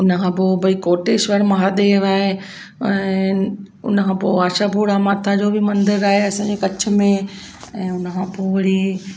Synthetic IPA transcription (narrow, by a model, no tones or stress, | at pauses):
ʊnkʰãːpoːbʱɐikoːʈeːʃʋəɾmɐɦad̪eʋaːɦe | ɛ̃ | ʊ̰nkʰãːpoːaːʃapuːɽamaːt̪ʰad͡ʑoːbʱimɐ̃nd̪ɪɾaːɦeɐsãd͡ʑekɐt͡ʃ̆ʰmẽ | ɛ̃ːʊnkʰãːpoːʋɐɽi